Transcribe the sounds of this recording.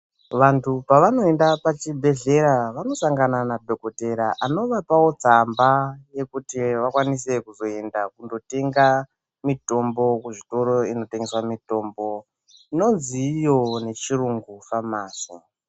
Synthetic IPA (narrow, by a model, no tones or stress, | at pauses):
ʋantʰupaʋano̞e̞ndapat͡ʃibʱe̞ɮe̞ɾaʋano̞saŋɡananadʱoko̞te̞ɾaʔano̞ʋapawo̞t͡sambaje̞kutiʋakwanise̞kuzo̞e̞ndakundo̞te̞ŋɡa | mito̞mbo̞kuʐito̞ɾo̞ino̞teŋɡe̞swamito̞ːmbo̞ | ino̞nziːjo̞ne̞t͡ʃiɾuŋɡufamaːsi